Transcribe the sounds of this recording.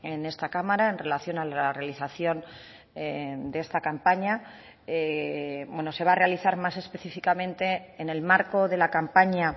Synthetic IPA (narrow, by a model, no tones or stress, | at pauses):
ene̞st̪akamaɾaenre̞laθjo̞nalare̞aliθaθjo̞n | ed̪eest̪akampaɲa | ebwe̞no̞se̞β̞aːre̞aliθaɾmase̞spe̞θifikamẽ̞nt̪e̞ːne̞lmaɾko̞ðe̞lakampaɲa